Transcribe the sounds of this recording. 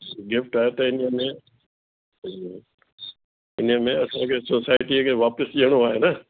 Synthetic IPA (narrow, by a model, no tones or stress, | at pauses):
iɡɪfʈaːɦet̪ɐɪniəmẽ | ɪnəmẽɐsãkʰesosaːɪʈikʰeʋaːpəsʄiəɽ̃oaːɦenə